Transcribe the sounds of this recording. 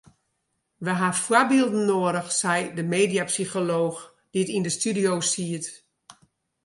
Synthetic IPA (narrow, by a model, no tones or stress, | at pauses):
ʋəɦafwabilˠdn̩ːoəɾəxsɛjdəmeːdiapsixoloːx | d̥itindəstydijoːsiət